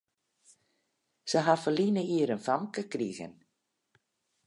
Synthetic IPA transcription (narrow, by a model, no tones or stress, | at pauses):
səɦafəlinəiəɾənfamkəkriɣə̰n